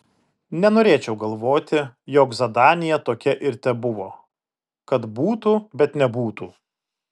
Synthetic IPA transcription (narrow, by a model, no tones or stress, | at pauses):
nʲɛnoːɾʲeːt͡ʃʲɛʊɡɐlˠʋoːt̪ʲɪjoːkzɐd̪ɑːnʲɪjɛt̪oːkʲɛʔɪɾt̪ʲɛbʊʋoː | kɐt̪buːt̪uːbʲɛt̪nʲɛbuːt̪uː